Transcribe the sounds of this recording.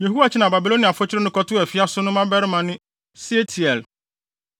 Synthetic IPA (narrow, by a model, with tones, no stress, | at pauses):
je˨ɦu˦a˨t͡ɕʰɪ˦nã˨ba˨bi˨lo˦ni˨a˨fʊ˦t͡ɕʰɪ˦ɾɪ˦nʊ̃˦kɔ˦tʊ˦ɛ˨fɪ˦a˦sʊ˦nʊ̃˦mã˦bɛ˦ɾɪ˦mã˨nɪ̃˦ | si˦e˦tʰi˨ɛ˨l